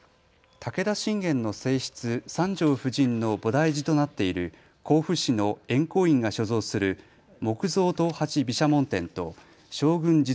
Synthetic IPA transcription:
t̪ake̞d̪aɕĩŋɡẽ̞nːo̞se̞ːɕi̥t͡sɨsãɲd͡ʑo̞ːɸɯ̟ʑĩnːo̞bo̞d̪aiʑit̪o̞nat̪ːe̞iɾɯ̟ | kʰo̞ːɸɯ̟ɕino̞ẽ̞ŋko̞ːĩŋɡaɕo̞zo̞ːsɨɾɯ̟ | mo̞kɯ̟zo̞ːt̪o̞hat͡ɕibʲiɕamõ̞nt̪ẽ̞nt̪o̞̰ | ɕo̞ːɡɯ̟̃ɲd͡ʑi

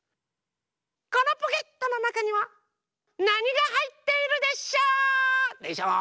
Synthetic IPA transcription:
ko̞no̞poke̞t̪ːo̞no̞nakaɲ̟iβa | naɲ̟iɡaɦait̪ːe̞iɾɯ̟d̪e̞ɕo | eɕa

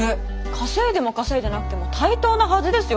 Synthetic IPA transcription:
kʰaseːd̪e̞mo̞kase̞ːd̪anakɯ̟t̪e̞mo̞t̪ʰait̪o̞ːnahazɨd̪e̞sɨjo

